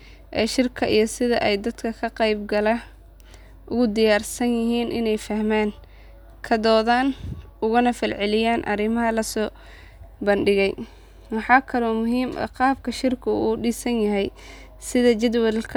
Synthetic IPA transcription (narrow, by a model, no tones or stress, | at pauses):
ʔɛːʃɪrkʰɐʔijɞsɪðɐ̰ʔɛjd̪ɐd̪kʰɐkʰɐqɛjbɡɐlɐ | ʔʊɣʊd̪ɪjaːrsɐnjɪɦiːnʔɪnɛjfɐhmaːŋ | kʰɐd̪ɔːðaːnʊɣʊnɐfɪrʕɪlɪjaːnʔɐ̰ɾɪmɐɦɐlɐsɔː | bɐnɖɪɣɛj | wɑħɑːkʰɐlɔːmʊɦiːmɐ̰qɑːb̚kʰɐʃɪrkʰʊuːɖiːsɐnjɐɦɛj | sɪðɐt͡ʃɪd̪wɐðlkʰ